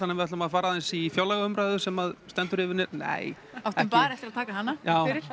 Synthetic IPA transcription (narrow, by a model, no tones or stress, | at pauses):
anːɛvɪat̪lʏmaðfaːɾaðɛnsifjawlɛɣaʏmpɾajðʏsɛmaðst̪ɛnt̪ʏɾɪːvɪɾnɪɾnḛːj | awt̪ɛɪmpaːɾɛft̪ɪɾaðt̪ʰaːkaɦanːajaːwɪɾɪɾ